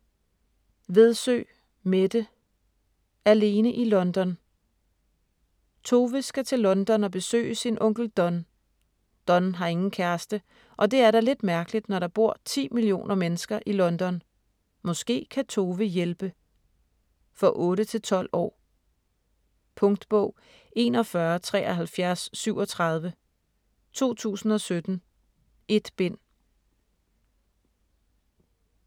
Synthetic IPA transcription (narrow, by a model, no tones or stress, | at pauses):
ʋe̝ð̞ˠsø̰ː | med̥ə | æle̝ːnəʔilɒ̽nd̥ɒ̽n | t͡sʰo̝ːʋəsɡ̥æt͡sʰe̝lːɒ̽nd̥ɒ̽nɒb̥e̝sø̰ːɪəsinʔɔ̽ŋɡ̥l̩d̥ɒ̽n | d̥ɒ̽nɦɑ̈e̝ŋn̩kʰæɐsd̥ə | ʔɒ̽d̥e̝æɐɾɑ̈le̝d̥mæɐɡ̥əlid̥nɒɾ̥ɑ̈b̥o̝ɐ̰t͡sʰḭːmilio̝̰ːnʔɐmenəsɡ̥ɐʔilɒ̽nd̥ɒ̽n | mɒ̽sɡ̥e̝̰ːkʰæt͡sʰo̝ːʋəjelb̥ə | fɒ̽ʔɔ̽ːɾət͡sʰe̝lt͡sʰɒ̽l̰ɒ̰ː | pʰɔ̽ŋd̥b̥ɔ̽ʊ̰ | e̝nɒ̽fɶɐt͡sʰʁɛ̰ːʔɒɦælfjæɐsːyʊɒ̽t͡sʰʁɑ̈ð̞ˠʋə | t͡sʰo̝̰ːt͡sʰṵːsn̩ɒ̽sød̥n̩ | e̝d̥b̥e̝n̰